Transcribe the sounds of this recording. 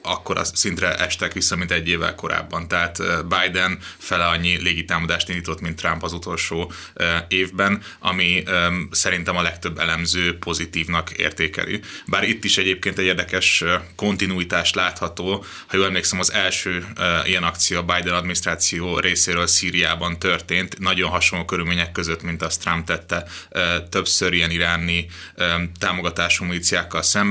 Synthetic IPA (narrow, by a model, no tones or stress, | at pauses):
ɒkːoɾɒ̰sint̪ɾɛʔɛʃt̪ɛkʋisːɒmint̪ɛɟːeːvɛ̰lko̞ɾa̰ːbːɒnt̪ɛɦaːt̪ːbajd̪ɛnfɛlɛɒɲːileːɡit̪aːmɒd̪aːʃt̪ind̪iːt̪o̞t̪mint̪ːrampɒzut̪o̞lʃoː | øeːvbɛn | ɒ̰misɛɾint̪ɛmɒlɛkt̪ø̞bːɛ̰lɛmzøːpʰo̞zit̪iːvnɒkḛːrt̪eːkɛ̰lʔḭbaːɾit̪ːiʃɛɟeːp̚keːnt̪ɛɟeːrd̪ɛkɛʃko̞nt̪inuit̪aːʃt̪laːt̪hɒt̪oː | hɒjoːlɛmleːksɛmɒzɛlʃøːijɛnɒkt̪sijoːbajd̪ɛnɒd̪minist̪ɾaːt̪sijoːrʔeːseːɾøːlsiːɾijaːbɒnt̪ørt̪eːnt̪nɒɟo̞nɦɒʃonloːkøɾylmeːɲɛkːøzøt̪mint̪ɒst̪rampt̪ɛt̪ːɛt̪ø̞psøɾijɛniɾaːni | t̪aːmo̞ɡɒt̪aːʃumuliːt̪sijaːkːɒlsɛm